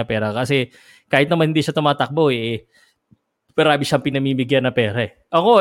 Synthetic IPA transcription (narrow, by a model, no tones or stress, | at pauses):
ɐpɛːɾɐkɐsɛ | kaːhɪt̪nɐmanhɪnd̪iːʃɐt̪ʊmaːt̪ɐk̚boʔɛ | bɐɾaːbɪʃɐʔɐŋpɪnɐmiːmɪɡjanːɐpɛːɾɐʔɛ | ʔɐko̞